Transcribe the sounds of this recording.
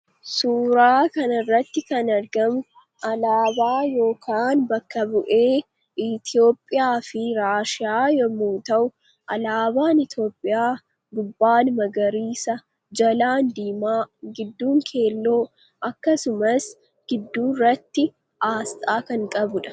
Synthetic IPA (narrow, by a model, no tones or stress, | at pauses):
suːɾaːkɐnɐrːɐt̪ːɪkɐnɐɾɡɐmʊ | ʔɐlaːbaːjo̞ːkʰaːnbɐkːɐbʊʔe̞ː | ɪt̪ɪo̞ːpʼːɪjaːfɪɾaːʃɪjaːjɐmuːt̪ɐʔʊ | ʔɐlaːbaːnɪt̪ʰjo̞ːpʼːɪjaː | ɡʊbːaːnmɐɡɐɾiːsɐ | d͡ʒɐlaːnd̪iːmaːɡɪd̪ːuːŋkʰe̞ːlːo̞ː | ʔɐkːɐsʊmɐs | ɡ̥ɪd̪ːuːrːɐt̪ːɪ | aːst̪ʼaːkɐŋkʼɐbʊᶑɐ̥